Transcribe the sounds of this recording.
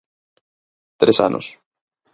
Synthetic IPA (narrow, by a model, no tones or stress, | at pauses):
t̪ɾesa̰nʔo̰s